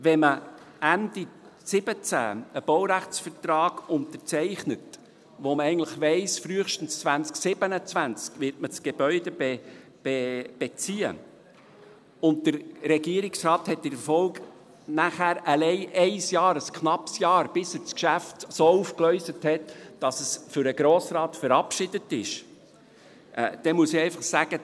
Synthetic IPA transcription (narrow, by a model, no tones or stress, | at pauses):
ʋɛmə | ændisɪb̥ət͡sæ̰ːəb̥owɾæχt͡sfəɾtrɑːɡ̥ʊnt̪əɾt͡sɛɪχnət | ʋoməɛɪən̩tləχʋɛɪsfɾyəχʃtən̩st͡svænt͡sksɪb̥ənət͡svænt͡skʋɪɾtmət͡sɡ̥ebœʏdɛbe | b̥eb̥et͡siə̰ | ʊnt̚d̪əɾɾɛɡiəɾɪksrɑːthɛt̚d̥ɪɾfɔlɡ | næχæːɾəlɛɪʔɛɪsjɑːɾəskχnɑpsjɑːɾb̥ɪsət͡skʃæftsoːufklœʏsəthɛtd̥ɑsəsfʏɾəɡ̥ɾoːsɾɑːtfəɾɑpʃɪdətɪ̰ʃ | ʔd̥ɛmuəsɪɛɪfɑχsæɡ̥ə